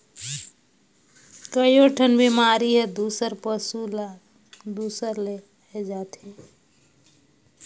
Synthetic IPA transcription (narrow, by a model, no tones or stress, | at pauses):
kəjoʈʰənbʱimaɾiɦed̪usəɾpəsula | d̪usəɾle | ɛd͡ʒat̪ʰẽ